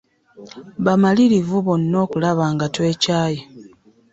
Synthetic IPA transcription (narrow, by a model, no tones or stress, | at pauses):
βamaliɾivuβonːo̞ːkulaβaːŋɡatwe̞ːcaːje